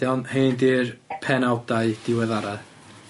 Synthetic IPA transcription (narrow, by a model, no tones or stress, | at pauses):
jɔnheːndiːrpʰɛnawdaɨd̥ɪwɛðaɾa